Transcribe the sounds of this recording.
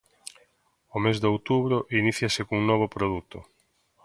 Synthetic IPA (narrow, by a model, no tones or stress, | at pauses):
omezðowt̪uβɾoʔiniθjasɪkouŋnɔβ̞opɾoðut̪o̰